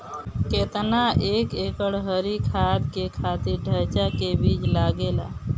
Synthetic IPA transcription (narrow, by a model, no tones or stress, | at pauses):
ket̪naekekəɽɦəɾikʰad̪kekʰat̪iɾɖʱəɾt͡ʃakebit͡ʃlaɡela̰